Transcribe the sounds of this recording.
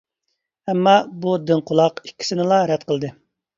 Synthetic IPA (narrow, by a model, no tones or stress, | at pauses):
ɛmːɑbud̪ɪnqʰʊlˠɑqikʲʰːi̥sɪnɪlˠɑɾɛt̪̚qəlˠd̪ɨ